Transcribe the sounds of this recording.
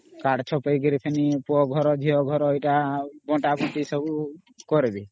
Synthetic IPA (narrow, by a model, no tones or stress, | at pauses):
kaɽt͡ʃʰɔpəjɡiɾipʰenipɔɡʱɔɾɔd͡ʒʱiɔɡʱɔɾɔejʈabɔʈabɔʈisɔbu | kɔɾibi